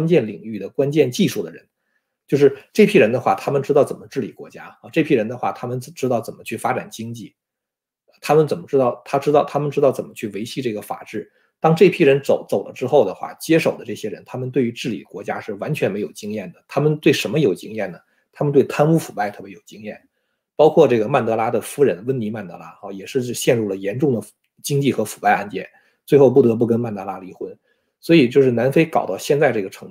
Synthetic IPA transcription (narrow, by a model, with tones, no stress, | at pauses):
wa˥nt͡ɕjɛ˥˩nli˨˩ŋy˥˩d̪ə˩kwa˥nt͡ɕjɛ˥˧nt͡ɕi˥˧ʂu˥˩d̪ə˩ɻə˧˥n | t͡ɕjo˥˧ʊʂɻ̩˥˧ʈ͡ʂɤ˥˩pʰji˥ɻə˧˥nd̪ə˧xwa̰˥˩t̪ʰa˥mə˨nʈ͡ʂɻ̩˥ɑ˥˩ʊt͡sə˨˩nmə˦ʈ͡ʂɻ̩˥˩lḭ˨˩kwɔ˧˥t͡ɕja˥ə˧ʈ͡ʂɤ˥˩pʰji˥ɻə˧˥nd̪ə˧xwa̰˥˩t̪ʰa˥mə˨nt͡sʈ͡ʂɻ̩˥t̪ɑ˥˩ʊt͡sə˨˩mə˦t͡ɕʰy˥˩fa˥ʈ͡ʂa̰˨˩nt͡ɕi˥ŋt͡ɕi˥˩˧ | t̪ʰa˥mə˨nt͡sə˨˩nmə˦ʈ͡ʂɻ̩˥t̪ɑ˥˩ʊt̪ʰa˥ʈ͡ʂɻ̩˥t̪ɑ˥˩ʊt̪ʰa˥mə˨nʈ͡ʂɻ̩˥t̪ɑ˥˩ʊt͡sə˨˩nmə˦t͡ɕʰy˥˩we˧˥ɪɕi˥˧ʈ͡ʂɤ˥˩ɡə˩fa̰˨˩ʈ͡ʂɻ̩˥˩ | t̪ɑ˥ŋʈ͡ʂɤ˥˩pʰi˥ɻə˧˥nt͡so˨˩ʊt͡so˨˩ʊlə̰˦ʈ͡ʂɻ̩˥xo˥˩ʊd̪ə˩xwa̰˥˩t͡ɕjɛ˥ʂo˨˩ʊd̪ə˦ʈ͡ʂɤ˥˩ɕjɛ˥ɻə˧˥nt̪ʰa˥mə˨nt̪we˥˩ɪy˧˥ʈ͡ʂɻ̩˥˩lḭ˨˩kwɔ˧˥t͡ɕja̰˥ʂɻ̩˥˩wa˧˥nt͡ɕʰɥɛ˧˥nme˧˥ɪjo˨˩ʊt͡ɕi˥ŋjɛ˥˩nd̪ə˩t̪ʰa˥mə˨nt̪we˥˩ɪʂə˧˥nmə˧jo˨˩ʊt͡ɕi˥ŋjɛ˥˩nə˩ | t̪ʰa˥mə˧nt̪we˥˩ɪt̪ʰa˥nu˥fu˨˩pa˥˧ɪt̪ʰɤ˥˩pjɛ˧˥jo˨˩ʊt͡ɕi˥ŋjɛ̰˥˩n | pɑ˥ʊkʰwɔ˥˧ʈ͡ʂɤ˥˩ɡə˩ma˥˩nt̪ɤ˧˥la˥d̪ə˨fu˧˥ɻə˧˥nwə˥nni˧˥ma˥˩nt̪ɤ̰˧˥la̰˥ɐ˥˧˩jɛ˨˩ʂɻ̩˥˧t͡ɕɕjɛ˥˧nɻu˥˩lə˩jɛ˧˥nʈ͡ʂʊ˥˩ŋd̪ə˩ | t͡ɕi˥ŋt͡ɕi˥˩xɤ˧˥fu̥˨˩pa˥˧ɪa̰˥˧nt͡ɕjɛ̰˥˩n | t͡swe˥˧ɪxo˥˧u˥˩t̪ɤ˧˥p̬u˥˩k̬ə˥nma˥˩nt̪ɤ˧˥la˥li˧˥xwə˥n | swɔ˧˥i˨˩t͡ɕjo˥˧ʊʂɻ̩˥˩na˧˥nfe˥ɪkɑ˨˩ʊt̪ɑ˥˧ʊɕjɛ˥˧nt͡sa˥˧ɪʈ͡ʂɤ˥˩ɡə˩ʈ͡ʂʰɤ˧˥